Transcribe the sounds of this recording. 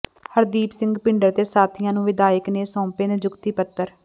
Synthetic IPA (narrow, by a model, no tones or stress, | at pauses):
həɾd̪iːpsɪ̃ŋɡpɪɳɖəɾt̪eːsaːt̪ʰɪjãːnũːʋɪd̪aːɪkneːsɔ̃ːpeːned͡ʒʊkt̪iːpət̪ːəɾ